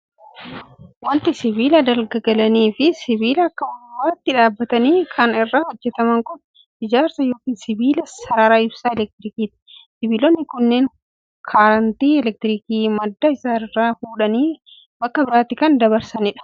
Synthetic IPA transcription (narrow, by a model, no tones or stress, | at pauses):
wɐnt̪ɪsɪβiːlɐd̪ɐlɡɐɡɐlɐniːfɪsɪbiːlɐːkːɐwɐwɐɾɐt̪ːɪᶑaːbːɐt̪ɐniːkʰɐnɪrːaːhɔd͡ʒːɛt̪ɐmɐŋkʊn | ɪd͡ʒaːɾsɐjo̞ːkiːnsɪbiːlɐsɐɾaːɾaːɪbsaːɛlɛk̚t̪ɪɾiːkiːt̪ɪ̥sɪbiːlonːɪkʊnːeŋ | kʰaːɾɐnt̪iːɛlɛk̚t̪ɪɾiːkiːmɐd̪ːaɪsaːɪrːaːfuːᶑɐniː | bɐkːɐbɪɾaːt̪ːɪkɐnd̪ɐβɐɾsɐnɪᶑɐ̥